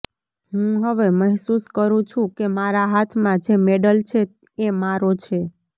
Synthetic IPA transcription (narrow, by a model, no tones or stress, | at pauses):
ɦũɦəʋeməɦsuskəɾũt͡ʃʰũkemaɾaɦat̪ʰmãd͡ʒemeɖəlt͡ʃʰe | emaɾot͡ʃʰe